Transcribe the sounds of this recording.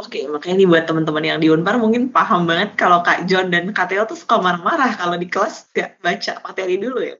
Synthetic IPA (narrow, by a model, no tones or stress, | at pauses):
okemakaɲadibuat̪ːəmənt̪əmənjaŋdiunparmuŋkɪnpaɦambaŋət̪̚kalokad͡ʒɔndankat̪eɔt̪usə̥kamaɾaŋmaɾahkalodikəlasɡaʔbat͡ʃa̰pat̪eɾiduluja̰